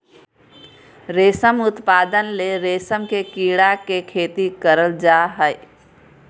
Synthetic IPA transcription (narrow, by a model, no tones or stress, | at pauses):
ɾeːsəmʊt̪paːd̪ənleɾeːsəmkekiɽakekʰeːt̪ikəɾəld͡ʒaɦəj